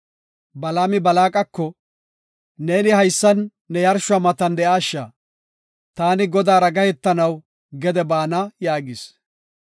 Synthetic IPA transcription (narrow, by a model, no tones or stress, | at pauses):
bɐlaːmɪbɐlaːkʼɐkːɔ | ne̞ːnɪhɐjsːɐnː | ɛjɐɾʃʊɐmɐt̪ɐnd̪ɛʔaːʃːa̰ː | t̪aːnɪɡɔd̪aːɾɐɡɐhɛt̪ːɐnɐw | ɡɛd̪ɛbaːnɐjaːɡɪs